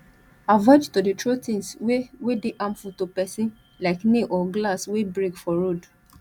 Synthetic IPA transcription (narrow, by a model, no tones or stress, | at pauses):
avad͡ʒtoditɹotĩnswewedeʔãmfutopɛsĩn | laɪkneʔɔɡlaswebɹekfɔɹod